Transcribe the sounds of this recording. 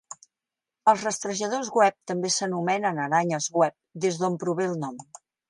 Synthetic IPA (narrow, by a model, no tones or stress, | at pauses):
əlˠzrəst̪ɾəʒəð̞ozɣwɛp̚t̪əmbesənumɛnənəɾaɲəzɣwɛp̚d̪ezðompɾuβelˠnɔm